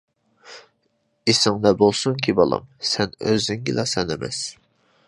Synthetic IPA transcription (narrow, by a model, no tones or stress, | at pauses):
esɪŋd̪ɛbolˠsuŋkʲʰibɑlˠɑ̰msɛnøzyŋɡʲilˠɑsɛnemɛ̰s